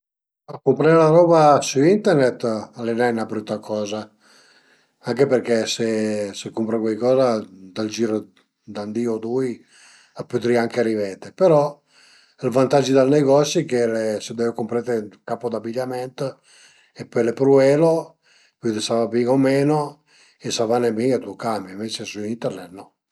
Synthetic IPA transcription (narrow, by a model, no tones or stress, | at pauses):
akːumpɾaɾlaɾɔːbasuint̪ɛrnɛt̪ːalːenajnabɾut̪ːakʰɔːza | aŋkeperkesesekːumpɾekwajkɔːzad̪ald͡ʒiːɾo | d̪and̪iod̪uj | apːyt̪ɾiaŋkeaɾivɛːt̪epeɾɔ | ilvant̪ad͡ʒid̪alneɡɔsjokelesed̪ɛvkumpɾat̪ekapod̪abiʎːamɛnt̪ | epːɔjlepɾuɛːlo | pyd̪esavabiŋomɛːno | esavanebiŋɡat̪ukamaiɱvet͡ʃesuint̪ɛrnɛt̪nɔ